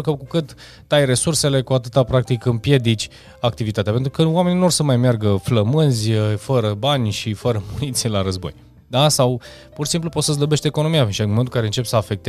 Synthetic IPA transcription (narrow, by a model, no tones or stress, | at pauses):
ukəkukɨt̪ː | ajre̞surse̞le̞kuat̪ɨt̪apɾak̚t̪ikɨmpje̞d̪it͡ʃʲ | akt̪ivit̪at̪eape̞nt̪ɾukəwame̞ninuorsəmajmjarɡəfləmɨnzʲəfəɾəbanʲʃifəɾəmunit̪selaɾəzbo̞̰j | d̪asaw | purʃisimp̬lupot̪səz̬ləbe̞ʃt̪e̞ko̞no̞mijanʃmomet̪ulkaɾe̞ɨnt͡ʃe̞psəafe̞k̚t̪e